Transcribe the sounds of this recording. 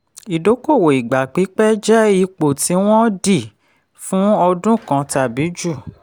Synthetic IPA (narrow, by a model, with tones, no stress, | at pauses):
i˨do˨˦ko˦˨wo˨i˨ɡ͡ba˨k͡pi˨˦k͡pɛ˦d͡ʒɛ˦i˦˧k͡po˨ti˨˦w̃ɔ̃˦di˦˨ | fũ˦ɔ˧dũ˦kã˧ta˨bi˨˦d͡ʒu˦˨